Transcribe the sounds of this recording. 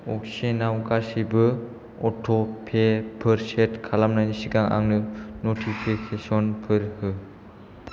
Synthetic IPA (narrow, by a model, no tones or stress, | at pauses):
ɔk̚senawkasibɯ | ɔtʰɔpʰepʰɯɾsetkʰalamnanisiɡaŋʔa̰ŋnɯnotʰipʰikʰesɔnpʰɯɾhɯ